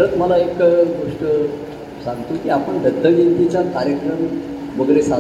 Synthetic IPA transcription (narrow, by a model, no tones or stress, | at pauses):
ɾət̪məlaekɡoʂʈə | sãŋɡt̪ukiapəɳd̪əd̪ʱːəɡint̪it͡ɕjakaɾjəkɾəm | ʋəɡɾesa